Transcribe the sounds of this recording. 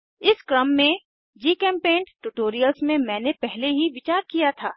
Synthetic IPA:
ɪskɾəmːẽ | d͡ʒiːkɛ̃ːmpẽːɳʈʈuʈoːɾijəlsmẽmɛ̃ːnepɛɦleɦiʋɪt͡ʃaːɾkijat̪ʰaː

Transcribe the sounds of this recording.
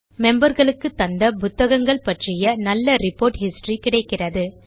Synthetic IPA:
mɛmbɐɾɣɐɭɯkːɯt̪ːɐnd̪ɐpʊt̪ːɐɣɐŋɡɐɭpɐʈrɪjɐnɐlːɐɾɪpːoːɾʈhɪsʈrikɪɽɐɪkːɪrɐðɯ

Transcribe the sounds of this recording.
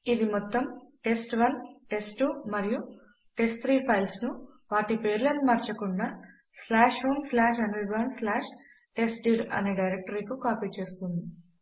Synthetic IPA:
id̪imɔt̪ːɐmʈe̞sʈʋɐnʈe̞sʈumɐɾiju | ʈe̞sʈt̪ʰɾiːpʰɐjlsnuʋaːʈipeːɾlɐnumɐɾt͡ʃɐkuɳɖaː | slaːʂhomslaːʂɐnʋiʋɐnslaːʂ | ʈe̞sʈɖiːɾɐ̰neːɖɐjɾek̚ʈɐɾikukaːpiːt͡ʃe̞ːst̪und̪i

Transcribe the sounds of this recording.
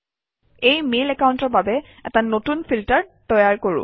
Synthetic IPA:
ejmelɛkaʊntɔɹbabɛ | ɛ̰tanotunpʰiltəɹtɔjaɹkoɹʊ̰̃

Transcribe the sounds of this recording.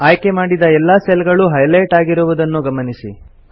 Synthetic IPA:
aːjkemaːɽid̪ɐɛlːaːsɛlɡɐɭuɦɐjlɐjʈaːɡiɾuʋud̪ɐnːuɡɐmɐnisḭ

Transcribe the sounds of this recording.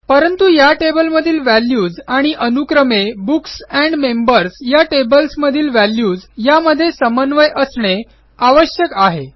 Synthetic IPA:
pəɾənt̪ujaʈebəlməd̪ʱiːlʋæljuːd͡zaɽ̃iʔənukɾəmebuksæɳɖmembəɾsjaʈebəlsməd̪ʱiːlʋæljuːd͡zjaməd̪ʱːjesəmənʋəjʔəsɳe | aʋəɕjəkaɦe

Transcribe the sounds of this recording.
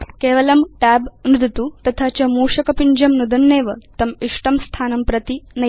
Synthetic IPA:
keːʋɐlɐmʈæːbnud̪it̪uːt̪ɐt̪ʰat͡ɕɐmuːʂɐkɐpiɲd͡ʑɐmnud̪ɐnːeːʋət̪ɐmiʂʈɐmst̪ʰaːnɐmpɾɐt̪inɐ

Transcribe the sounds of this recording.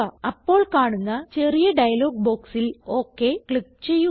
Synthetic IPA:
ɐɐpːo̞ːɭkaːɳunːɐt͡ɕe̞rijɐɖɐjɐlo̞ːɡ̚bo̞ːksilo̞ːkːe̞kɭik̚ːt͡ɕe̞jːu

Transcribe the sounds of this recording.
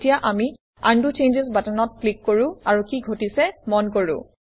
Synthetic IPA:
tijaʔami | andut͡ʃend͡ʒezbatanɔt̚klikːoɹʊ̃aɹukiɡʱotisɛmɔnkoɹʊ̰̃

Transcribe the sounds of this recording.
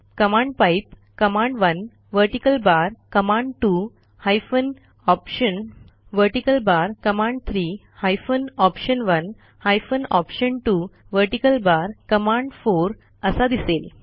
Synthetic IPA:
kəmãɳɖpaip | kəmãɳɖʋən | ʋəɾʈikəlbaɾkəmãɳɖʈu | hajfən | ɔpɕən | ʋəɾʈikəlbaɾkəmãɳɖt̪ʰɾiː | hajfənɔpɕənʋən | hajfənɔpɕəɳʈu | ʋəɾʈikəlbaɾkəmãɳɖfoɾ | əsad̪isel

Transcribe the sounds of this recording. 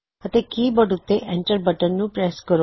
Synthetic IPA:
ət̪ekiːbəɽut̪ːeʔɛ̃ɳʈəɾbəʈənnũpɾəjaskəɾo

